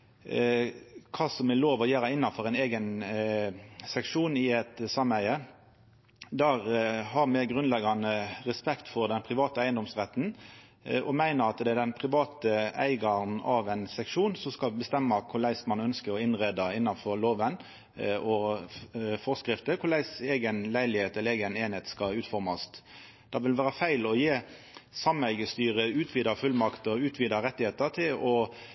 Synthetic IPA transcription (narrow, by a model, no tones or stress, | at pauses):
kʰɑːsɔmɛloːʋɔjæːɾəɪnːɑfɔɾæɪneːɡən | sɛkʂuːnɪɛt̪sɑmæɪə | d̪æːɾhɑɾmɛɡʁʉnlɛɡɑnəʁɛspɛkt̪fɔɾd̪ɛnpʰʁɪʋɑːt̪əæɪənd̪ɔmsʁɛt̪n̩ | ɔmæɪnəʁɑt̪d̪ɛæd̪ɛnpʰʁɪʋɑːt̪əæ̰ɪɡɑnɑ̰ʋɛɪnsɛkʂuːnsɔskɑlbəst̪ɛmːɑkʰʊɾlæɪsmɑnœnskəɔɪnʁeːd̪ɑɪnːɑfɔɾloːʋən | ɔ | fɔʁskɾɪft̪əkʰʊɾlæɪseːɡənlæɪlɪheːt̪ɛləeːɡəneːnheːt̪skɑʉːt̪fɔɾmɑst̪ | d̪̥ɑʋɪlʋæːɾəfæɪlɔjeː | sɑmæɪɡəst̪yːɾəʉːt̪ʰʋiːd̪ɑfʉlmɑkt̪ɔʉːt̪ʰʋiːd̪ɑɾɛt̪ːɪheːt̪ət̪ʰɪlɔ